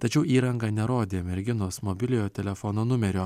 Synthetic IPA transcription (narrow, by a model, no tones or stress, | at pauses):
t̪ɐt͡ʃʲɛʊiːɾɐŋɡɐnʲɛɾoːd̪ʲeːmʲɛɾʲɡʲɪnoːsmoːbʲɪlʲɪjoːt̪ʲɛlʲɛfoːnoːnʊmʲɛɾʲoː